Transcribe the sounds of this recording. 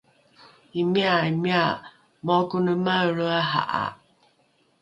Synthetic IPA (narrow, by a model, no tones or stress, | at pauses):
imiaimia | mɔkunumaɾuaɦa̰ʔa̰